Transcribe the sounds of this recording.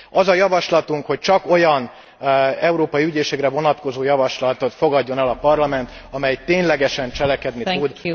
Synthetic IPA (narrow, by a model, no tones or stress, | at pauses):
ɒzɒjɒvɒʃlɒt̪uŋkho̞c̚t͡ʃɒko̞jɒn | ɛuɾoːpɒjiyɟeːʃɛkrɛvo̞nɒt̪ko̞zoːjɒvɒʃlɒt̪o̞t̪fo̞ɡɒɟːo̞nɛlɒpɒrlɒmɛnt̪ɒmɛjt̪eːɲlɛɡɛʃɛnt͡ʃɛlɛkɛd̪nit̪ud̪